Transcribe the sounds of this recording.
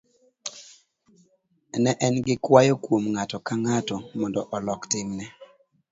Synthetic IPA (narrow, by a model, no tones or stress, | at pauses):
nɛʔɛnɡɪkwajɔkwomŋatɔkaŋatɔmɔndɔʔɔlɔktɪmnɛ